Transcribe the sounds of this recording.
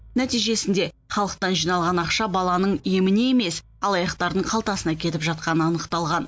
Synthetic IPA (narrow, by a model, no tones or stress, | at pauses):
næt̪ijʒe̞sɪnd̪e̞ | χɑlˠəq̚t̪ɑnʒijnɑlˠʁɑnɑqʃɑbɑlˠɑnəɴje̞mɪne̞eme̞s | ɑlˠɑjɑqt̪ɑɾd̪əɴqʰɑlˠt̪ɑsənɑkʲʰe̞t̪ɪpʒɑt̪̚qɑnəɑnəqt̪ɑlˠʁɑn